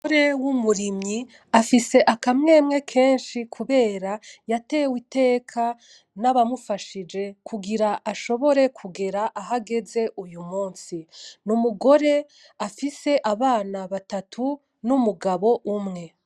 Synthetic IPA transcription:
oɾewumuɾimɲi | afise̞ʔakamŋe̞ːmŋe̞kʰe̞ːnʃikʰuβe̞ːɾajate̞ːwite̞ːkʰa | naβamufaʃid͡ʒe̞kʰuɡiɾaʔaʃo̞βo̞ɾe̞kʰuɡe̞ɾaʔaɦaɡe̞ze̞ʔujumuːnsinumuɡo̞ɾe̞ | afise̞ʔaβaːnaβatatʰu | numuɡaβo̞ʔumŋe̞

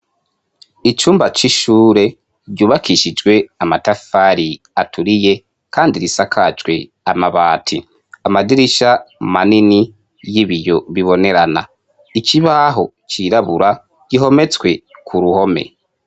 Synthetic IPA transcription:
it͡ʃuːmbat͡ʃiʃuːɾe̞ | ɾɟuːβakiʃid͡ʒɡwe̞amatafaɾi | atʰuɾije̞ | kaːndiɾisakʰad͡ʒɡwe̞̰ | amaβaːtʰi | amadiɾiʃamanini | jiβijo̞βiβo̞ne̞ɾana̰ | it͡ʃiβaɦo̞ | t͡ʃiɾaβuɾa | ɟ̥iɦo̞me̞t͡skwe̞kʰuɾuho̞me̞̰

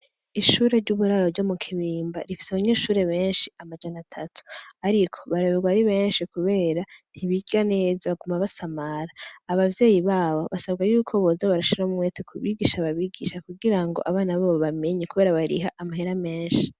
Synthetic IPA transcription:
iʃuːɾe̞ɾɟuβuɾaɾoɾɟo̞mukʰiβiːmba̰ɾifi̥saβaɲe̞ːʃuːɾe̞βe̞ːnʃiamad͡ʒanatʰatʰu̥aɾikʰo̞βaɾaβeɡwaɾiβe̞ːnʃikuβe̞ːɾan̥hiβiɡane̞ːzaβaɡumaβasamaɾaːβavje̞ːjiβaːβo̞̰βasabɡajuːkʰo̞βozaβaɾaʃiɾamumwe̞tekʰuβiɡiʃaβaβiːɡiʃakuɡiɾaŋɡoʔaβaːnaβaβoβame̞ɲekuβe̞ːɾaβaɾḭɦaʔamaɦeɾame̞ːnʃi̥

